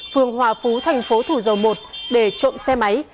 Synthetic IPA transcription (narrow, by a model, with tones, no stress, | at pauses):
fɨ˨˩əŋɦwaː˨˩fu˨˦t̪ʰa˨˩jŋ̟fo˨˦t̪ʰu˧˩zə˨˩wmo˨˩t̚ɗe˧˩t͡ɕo̰˧˨msɛ˧ma˨˦j